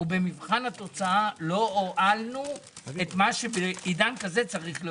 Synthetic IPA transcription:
ubemivχanhat̪o̞t͡saalo̞oʔalnuet̪maʃebeid̪ankazet͡saʁiχle

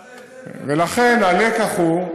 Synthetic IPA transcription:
velaχenalekaχu

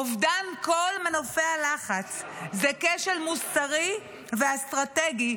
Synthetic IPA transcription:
ovdankolmenofealaχat͡szekeʃelmusaʁi | veast̪ʁateɡi

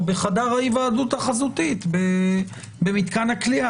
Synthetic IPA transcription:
beχadaʁhajivaːduthaχazut̪it̪be | bemit̪kanaklia

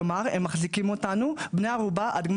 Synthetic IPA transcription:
maʁemːaχzikimot̪anubnejaʁubaʔad̪ɡm

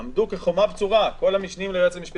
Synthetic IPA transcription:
amd̪ukeχomabt͡suʁako̞lamiʃnimleʁet͡semiʃpi

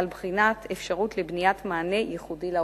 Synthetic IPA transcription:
lbχinat̪ʰefʃaʁutlebnijatmaːne̞jiχudila

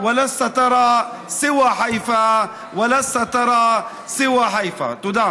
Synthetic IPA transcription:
walasat̪ɑɾˤɑː | sɪwaħajfa | walasːat̪ɑɾˤɑː | sɪwaħajfa̰t̪ˤʊd̪aː

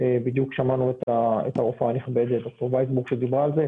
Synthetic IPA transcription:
ebid̪jukʃamanuet̪aḛt̪aofaaniχbed̪et̚d̪ok̚t̪oʁvajsbuʁkʃed̪ibʁaːlze

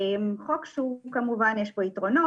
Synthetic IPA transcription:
mχokʃukamuvanjeʃboit̪ʁono

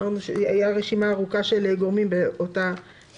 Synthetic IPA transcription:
aʁnuʃeajaʁe̞ʃimaːʁukaʃeleɡoʁmimbeota

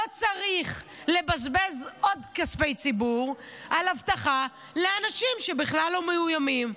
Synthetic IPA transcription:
ot͡saʁiχ | le̞bazbe̞zʔo̞dkaspejt͡sibuʁ | ʔalavt̪aχa | leanaʃimʃebiχlalːomejujamim

